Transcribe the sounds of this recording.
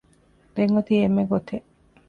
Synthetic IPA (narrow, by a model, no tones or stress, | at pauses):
ɾeŋɡot̪iemːeɡot̪ʰe